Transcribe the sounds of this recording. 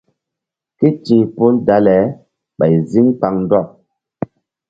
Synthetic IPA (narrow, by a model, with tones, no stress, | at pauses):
ke˦t͡ʃĩ˨po˦lda˨˦lɛ˨˦ | ɓa˨jzi˦ŋk͡pa˨ŋn˦dɔ˦˨p̚